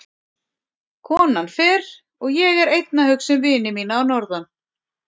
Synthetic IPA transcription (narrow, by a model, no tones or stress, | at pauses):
kʰɔːnanfɛɾ | ɔɣjɛɣɛɾejt̪nahʏksɛmvɪːnɪmiːnaːwnɔɾðan